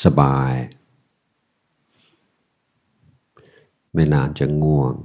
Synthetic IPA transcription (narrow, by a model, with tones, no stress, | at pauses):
sa˧baː˧j | mɛ˥˩laː˧˩nt͡ɕa˨˩ŋu˧˩əŋ